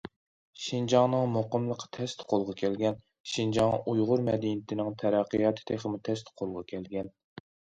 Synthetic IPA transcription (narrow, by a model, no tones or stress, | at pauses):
ʃind͡ʒɑŋnɨŋmoqəmlˠəqʰːt̪ʰɛst̪ʰqʰolˠʁɑkʲʰɛlɡʲɛn | ʃind͡ʒɑŋʔujʁʊɾmɛd̪inɪt̪ʰɪnɪŋt̪ʰɛɾæqːəjɑːt̪ʰɨ̥t̪ʰeχəmut̪ʰɛst̪ʰqʰolˠʁɑkʲʰɛlɡʲɛn